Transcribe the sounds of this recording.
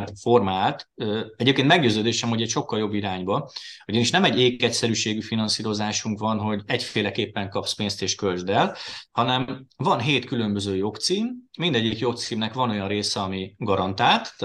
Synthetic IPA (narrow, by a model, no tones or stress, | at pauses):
fo̞rmaːlt̪ːɛɟeːp̚keːnt̪mɛɡɟøːzøːd̪eːʃɛmho̞ɟɛcʃo̞kːɒljo̞bːiɾaːɲbɒhoɟeːniʃnɛmɛɟːeːkːɛcsɛɾyːʃeːɡyfinɒnsiːɾo̞zaːʃuŋkvɒnɦo̞ɟɛcfeːlɛkeːpːɛŋkɒpspeːnst̪eːʃkøld͡ʒd̪ɛlhɒnɛmvɒnɦeːt̪kylø̞mbøzøːjo̞kt̪siːmmind̪ɛɟːikjo̞k̚t̪siːmnɛkʋɒno̞jɒnreːsɛɒmiɡɒɾɒnt̪aːlt̪